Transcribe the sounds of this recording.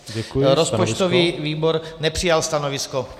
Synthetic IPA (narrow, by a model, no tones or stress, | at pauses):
ɛɾospɔt͡ʃt̪oviːviːboɾnɛpr̝̥ɪjalst̪anovɪsko